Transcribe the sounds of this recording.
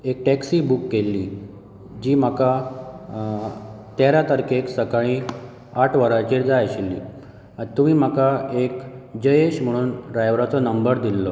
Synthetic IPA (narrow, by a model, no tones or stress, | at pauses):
ek̚ʈɛksiːbukːelːiː | d͡ʑiːm̤aka | t̪aɾjat̪əɾkeksəkaɭ̃ĩː | aʈʰʋəɾat͡ɕiːɾd͡zajɕilːḭː | t̪umiːm̤akaekd͡ʑəjeɕm̤əɽ̃uːnɖɾajʋɾat͡sɔnəmbəɾd̪ilːɔ